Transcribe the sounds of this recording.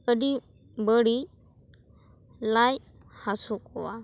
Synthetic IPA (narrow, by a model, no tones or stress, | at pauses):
ədi | bəɽi | laj | hasukɔwa